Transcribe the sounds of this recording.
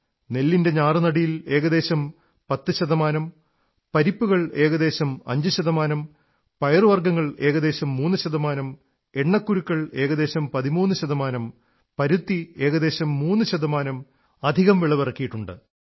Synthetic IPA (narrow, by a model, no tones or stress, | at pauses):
ne̞lːinde̞ɲaːrɨnɐɽijile̞ːɣɐðe̞ːɕɐm | pɐt̪ːɨɕɐðɐmaːnɐm | pɐɾipːuɣɐɭe̞ːɣɐd̪e̞ːɕɐmɐ̰ɲd͡ʑɨɕɐðɐmaːnɐm | pɐjɐrɨʋɐrɡɐŋːɐɭe̞ːɣɐd̪e̞ːɕɐmːuːnːɨɕɐðɐmaːnɐm | e̞ɳːɐkːuɾukːɐɭe̞ːɣɐðeːɕɐmpɐðimuːnːɨɕɐðɐmaːnɐm | pɐɾut̪ːie̞ːɣɐðe̞ːɕɐmːuːnːɨɕɐðɐmaːnɐm | ɐd̪ʱiɣɐmʋiɭɐʋirɐkːijiʈːuɳɖɨ̰